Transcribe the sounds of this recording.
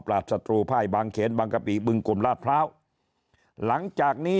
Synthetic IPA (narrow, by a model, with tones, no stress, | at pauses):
pɾaː˨˩t̪̚sa˧t̪ɾuː˧pʰaː˥˩jbaː˧ŋkʰeː˩˦nbaː˧ŋka˧piː˨˩bɯ˧ŋku˨˩mlaː˥˩t̪̚pʰɾaː˦˥˩w | la˩˦ŋt͡ɕaː˨˩k̚niː˦˥